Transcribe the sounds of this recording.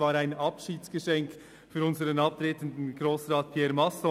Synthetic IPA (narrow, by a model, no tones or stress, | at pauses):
aːɾaɪnɑpʃiːtsɡ̥əʃɛŋk | fyːɾʊnzəɾənɑp̚tɾeːtən̩dn̩ɡ̥ʁoːsʁaːt̚pʰjɛːɾmɑsɔ